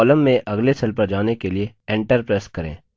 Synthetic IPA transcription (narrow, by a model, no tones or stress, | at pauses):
ləmːẽʔɐɡlesɐlpəɾd͡ʒaːnekelieẽːɳʈəɾpɾeːskɐɾḛ̃ː